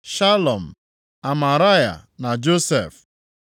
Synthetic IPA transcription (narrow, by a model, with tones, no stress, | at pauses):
ʃa˦lɔ˨m̩˨ | a˨ma˨ɾa˦ja̰˨na˨d͡ʒo˦sḛ˨f